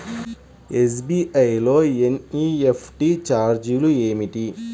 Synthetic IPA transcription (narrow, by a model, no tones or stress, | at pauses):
es̬biːʔɐjlo̞ːeniːepʰʈit͡ʃaːɾd͡ʒulueːmiʈi